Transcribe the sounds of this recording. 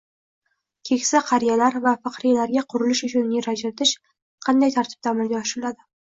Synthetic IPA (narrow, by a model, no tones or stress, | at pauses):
kʲʰe̞kʲsaqʰɑɾijalaɾvafɑqɾijalaɾɡʲaqʰʊɾɪlɪʃʊt͡ʃʰʊnːeɾad͡ʒalat̪ʰɪʃ | qʰɑnd̪ajt̪ʰaɾt̪ʰɪp̚t̪ʰamɪɾɡʲaɒʃɪɾɪlad̪ɪ